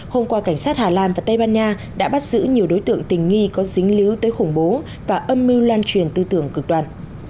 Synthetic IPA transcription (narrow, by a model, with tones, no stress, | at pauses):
ho˧mkwaː˧ka˧˩jŋ̟saː˦˥t̚haː˨˩laː˧˨nvaː˨˩t̪ə˧jɓaː˧nɲaː˧ | ɗa̰ː˧˥ɓa˦˥t̚z̥ɨ̰˧˥ɲi˨˩əwɗo˨˦jt̪ɨ̰˧˨əŋt̪ï˨˩ŋ̟ŋi˧kɔ˨˦zï˨˦ŋ̟li˨˦wt̪əː˨˦jxʊ˧˩ŋ͡mɓo˨˦ | vaː˨˩ʔə˧mːi˧wlwaː˧nt͡ɕwi˨˩ənt̪ɨ˧t̪ɨ˧˩əŋkɨ˨˩k̚ɗwaː˨˩n